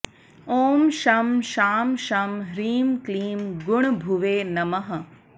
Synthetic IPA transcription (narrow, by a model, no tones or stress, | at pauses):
oːmʃɐmʃaːmʃɐmɾiːmkliːmɡʊɳ̃bʱuʋeːnɐmɐɦɐ